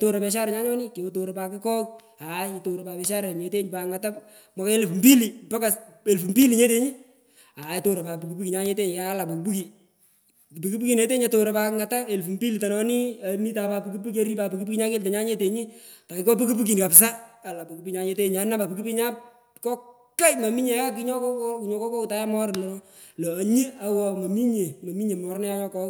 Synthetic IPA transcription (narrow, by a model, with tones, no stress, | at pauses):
to˦ɾa˨pɛ˨ʃa˦ɾɛ˨ɲa˦ɲɔ˦nɪ˦ke˨o˦to˨ɾe˨pa˨kɪ˦kɔ˦k̚ | a˨to˨ɾo˨a˨ɛ˨ʃa˦ɾɛ˨ɲe˨˦te˦ɲpa˨kŋɡa˨ta˦ | mwa˨ke˦le˨fu˨mbi˦li˨pa˦ka˨e˨lfu˨mbi˦li˨ɲe˦te˦ɲi˦ | a˨e˨to˦ɾa˨pa˨pi˨ku˨pu˦ki˨ɲa˦ɲe˦te˦ɲ˨ka˨a˦la˨bo˨kbu˦ki˨ | pi˨ku˦pu˦ki˨ne˦te˦ɲe˨to˨ɾa˨pa˨kŋɡa˨ta˦e˨lfu˨mbi˦li˨ta˨nɔ˨nɪ˦a˨mi˦ta˨pa˧pu˦ku˦p̬u˦ke˦ɾi˦pa˨pu˨ku˦pu˦ki˦ɲa˦ke˦ltɛ˨ɲa˦ɲe˦te˨ɲi˦ | ta˨kɪkɔ˦pu˦ku˦p̬u˦ki˨nka˨psa˦a˨la˨pu˨ku˦pi˦ɲa˨˦ɲe˦te˦ɲ˨a˨˦na˦pa˨pu˨ki˦pi˦ɲa˦ | kɔ˦ | ka˦jma˨mi˦ɲe˨˦a˦k̬i˦ɲɔ˦kɔ˦kɔ˦ku˨ɲo˨˦kɔ˦kɔ˦ku˨ta˦ja˦mɔ˦ɾnɔ˨˦ | lɔː˨ɲi˦a˨˦wɔ˨ma˨mi˦ɲe˨mɐ˨mi˦ɲe˨mɔ˦ɾnɛ˦ja˦ɲɔ˦kɔ˦